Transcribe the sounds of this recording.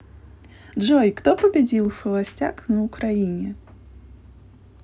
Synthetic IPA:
ʐɔjkt̪ɔpɐbʲad͡zʲilˠxɐlˠasʲt͡sʲaknɐukɾajinʲɛ

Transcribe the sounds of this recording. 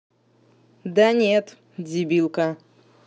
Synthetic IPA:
d̪anʲet̪ | dʲibʲilˠkɐ

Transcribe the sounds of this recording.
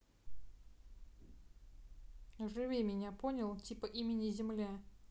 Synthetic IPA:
ʐɨvʲemʲɪnʲaponʲɪlˠtʲipəʔimʲɪnʲɪzʲɪmlʲa

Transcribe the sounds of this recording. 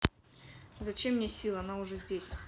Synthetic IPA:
zɐt͡ɕemnʲesʲilˠɐnaʊʐɛzʲdʲesʲ

